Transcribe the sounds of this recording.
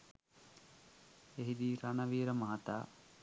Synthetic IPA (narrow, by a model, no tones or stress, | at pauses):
eɦid̪iːɾanəʋiːɾəmaɦat̪a̰ː